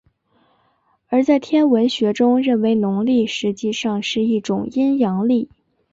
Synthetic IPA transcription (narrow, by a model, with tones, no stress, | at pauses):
ə˞˧˥t͡sa˥˩ɪt̪ʰjɛ˥nwə˧˥nɕɥɛ˧˥ʈ͡ʂʊ˥ŋɻə˥˩nwe˧˥ɪnʊ˧˥ŋli˥˩ʂɻ̩˧˥t͡ɕi˥˧ʂɑ˥˧ŋʂɻ̩˥˧i˥˩ʈ͡ʂʊ˨˩ŋi˥njɑ˧˥ŋli˥˩